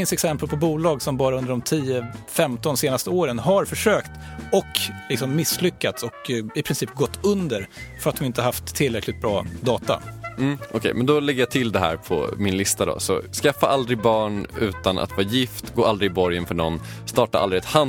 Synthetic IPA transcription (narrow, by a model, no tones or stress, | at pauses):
ɪnsɛksɛmpəlpʰɔbuːlɑːɡsɔmbɑːɾaɵnd̪əɖɔmt̪ʰiːəfɛmt̪ɔnseːnast̪əoːɾənɦaɾfœʂøːkt̪ | ɔklɪksɔmːɪslʏkːat̪sɔkɪpʰɾɪnsiːpɡɔt̪ːɵnd̪əɾfœɾat̪d̪ɔmɪnt̪əhaɦaft̪ʰːɪlɾɛklɪt̪̚bɾɑːd̪ɑːt̪a̰m̩ʔɔkʰɛ̰jmɛnd̪ɔlɛɡːəjat̪ʰɪld̪ɛɦæ̰ːɾpʰɔ̰mɪnlɪst̪ad̪ɔ̰sɔ̰skafːaʔald̪ɾɪbɑːɳʉ̟ːt̪anʔa̰t̪vɑːɾajɪft̪ɡoːɾald̪ɾɪbɔɾjənfœɳɔ̰nː | st̪ɑːʈaʔa̰ldɾɪɛt̪ha